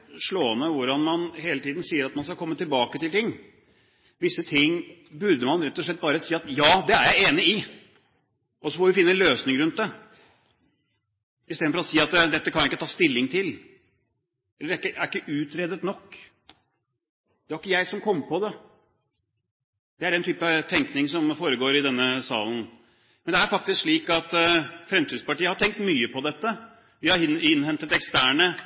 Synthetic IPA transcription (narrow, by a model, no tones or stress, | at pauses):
ʂɭoːənəʋʊɾɑnmɑnheːlət̪ʰiːd̪n̩siːəɾɑt̪mɑnskɑkʰɔmːət̪ɪlbɑːkət̪ɪlt̪ɪŋː | ʋɪsːət̪ʰɪŋːbʉɾd̪əmɑnɾɛt̪ːɔʂɭɛt̪̚ːbɑːɾəsiːɑt̪jɑːd̪ɛæɾjæɪeːnɪɪ | ɔsɔfɔʋɪfɪnːəɛnløːsnɪŋɾʉnt̪̚d̪ɛ | ɪst̪eːd̪nfɔɾɔsiːɑt̪d̪ɛt̪ːəkʰɑnjɪkːət̪ɑːst̪ɪlːɪŋt̪ʰɪl | ɛlːəɖæɪkːəæɾɪkːəʔʉːt̪ɾɛːd̪ət̪nɔkː | d̪ɛæɾɪkːəjæɪsɔmkʰɔmːəpɔd̪ɛ | d̪̥ɛæɖɛnt̪ʰyːpət̪ʰɛŋknɪŋsɔmfoːɾəɡoːɾɪd̪ɛnːəsɑ̰ːln̩ | mɛnd̪ɛæɾfɑk̚t̪ɪskʂɭiːkɑt̪fɾɛmt̪ʰiːd̪spɑʈiːəhɑʈ̪ʰɛŋk̚t̪myːəpʰɔd̪ɛt̪ːə | ʋɪhɑɪnːhɛnt̪ət̪ɛkst̪æːɳə